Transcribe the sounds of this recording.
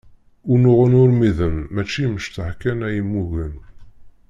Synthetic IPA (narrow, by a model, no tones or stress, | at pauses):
ʊnʊʁənʊɾmiðəmːæt͡ʃːiməʃt̪əhkænæjəmːuʝən